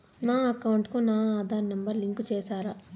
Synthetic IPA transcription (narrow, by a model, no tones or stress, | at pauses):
naːɐkɐwuɳʈkunaːaːd̪ʱaːɾnɐmbɐɾliŋkt͡ʃeːsaːɾa